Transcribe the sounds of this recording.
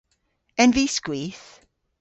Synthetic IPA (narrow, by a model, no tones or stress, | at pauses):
ɛ̃nviskwiθ